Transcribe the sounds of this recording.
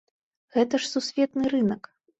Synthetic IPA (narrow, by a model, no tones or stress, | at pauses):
ɣɛt̪ɐʂsusʲvʲɛt̪nɨɾɨnɐk